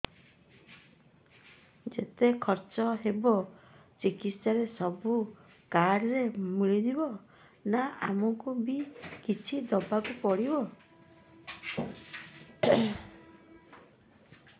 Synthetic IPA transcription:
d͡ʒet̪ekʰɔɾt͡ʃɔɦebɔt͡ʃikit̪saɾesɔbu | kaɾɾemiɭid̪ibɔ | naamɔŋkubikit͡ʃʰid̪ɔbakupɔɽibɔ

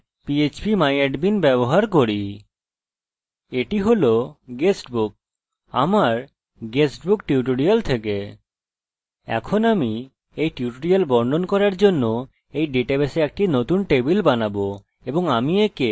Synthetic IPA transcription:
piet͡ɕpimajeɖbinbɛboɦaɾkoɾi | eʈiɦoloɡesʈbuk̚ | a̰maɾ | ɡesʈbukʈiuʈ̬oɽialt̪ʰeke | ɛ̰kʰonami | ejʈiuʈoɽialbɔɳɖonkɔɾaɾd͡ʑonːo | ejɖeʈabeseɛk̚ʈinot̪unʈebilbanabo | eboŋamieke

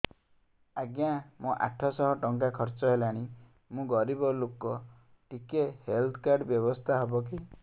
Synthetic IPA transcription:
aɡjãmũʔa̰ʈʰɔsɔɦɔʈɔŋkakʰɔɾt͡ʃɔɦelaɽ̃i | mũɡɔɾibɔlokɔ | ʈikehelt̪ʰɔ̥kaɾɖbjɔbɔst̪ʰaɦɔbɔk̬i

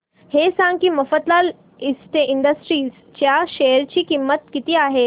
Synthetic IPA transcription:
hesãŋkiːmɐfət̪lal | ist̪eʔɪnɖəsʈɾiːs | t͡ɕjaʃejəɾt͡ɕiːkimːət̪̚kit̪iaːɦe

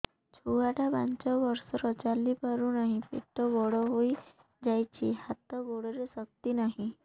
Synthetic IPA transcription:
t͡ʃʰuaʈabant͡ʃɔbɔɾsɔɾɔt͡ʃalipɔɾunɔɦĩpḛʈɔbɔɽɔɦoj | d͡ʒajt͡ʃʰihat̪ɔɡoɽɔɾesɔk̚t̪inɔɦĩ

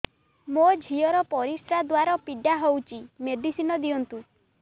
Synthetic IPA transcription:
mod͡ʒʱiɔɾɔpɔɾisɾad̪waɾɔpiɖaɦowt͡ʃimeɖisinɔd̪iɔnt̪u

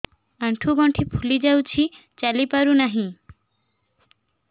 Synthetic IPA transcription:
aɳʈʰuɡɔɳʈʰipʰulid͡ʑawt͡ɕʰi | t͡ɕalipaɾunaɦĩ

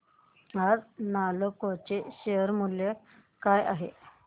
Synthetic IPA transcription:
ad͡znalokot͡ɕeɕeɦəɾmulje | kaja̰ɦḛ

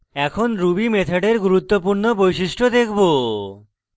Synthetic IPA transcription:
ɛkʰonɾubimet̪ʰeɖeɾɡuɾut̪ːopuɾnobojʃiʃʈod̪ekʰbo

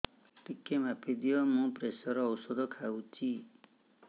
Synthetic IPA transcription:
ʈikːemapʰed̪ijʌmũpresʌɾːwsɔd̪ʌkʰawt͡si

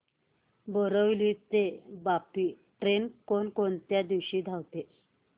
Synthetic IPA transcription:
bəɾəʋliːt̪ebapiː | ʈɾenkonkont̪jad̪iʋɕiːd̪ʱawt̪e

